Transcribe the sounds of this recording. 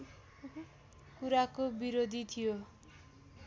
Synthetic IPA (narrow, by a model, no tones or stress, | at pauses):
kuɾakobiɾod̪ʱit̪ʰijo